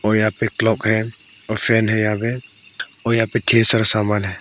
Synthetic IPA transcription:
ɔːjaːpeklɔːkɦɛ | ɔːɾfʰɛːnɦɛjãːbe | ɔːjaːpeʈʰeːɾsəɾsaːmaːlɦɛː

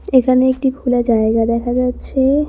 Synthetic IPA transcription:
ekʰaneek̚ʈibʱulaɾd͡ʑaeɡad̪ɛkʰad͡ʑatːɕʰe

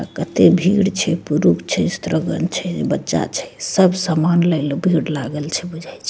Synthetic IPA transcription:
kət̪ebʱiɽt͡ʃʰɛpuɾukʰt͡ʃʰɛst̪ɾəɡə̰nt͡ʃʰɛbətːʃa̰t͡ʃʰɛ̥səbʱsamanləjlobʱiɽlaɡəlt͡ʃʰɛbud͡ʒʱajt͡ʃʰɛ̥

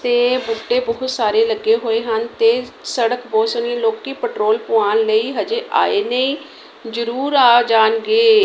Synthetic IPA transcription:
t̪eːbuːʈːeːbɔːʊt̪saːɾeːləɡːeːɦoːeːɦənt̪eːsəɽəkboːsəniːloːkiːpəʈɾoːlpʊaːnləiːɦəd͡ʒeːʔa̰ːeːnəĩː | zəɾuːɾaːd͡ʒaːnɡeː

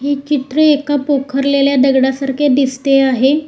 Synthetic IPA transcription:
ɦiːt͡ɕit̪ɾəekapokʰəɾleljad̪əɡɽasaɾkʰed̪ist̪eaɦe

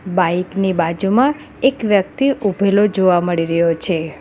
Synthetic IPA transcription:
baiknibad͡ʒumã | ekʋjək̚t̪iʔubʱelod͡ʒoʋaməɭiɾəɦjot͡ʃʰe

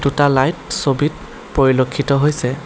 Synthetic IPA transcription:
dutalajtsobit̚ | poɹilokʰːitɔɦojsɛ

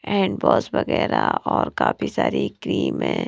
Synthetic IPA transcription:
ɛːɳɖbɔːsbɐɣɛːɾaɔːɾkaːpʰisaːɾikɾiːmẽː

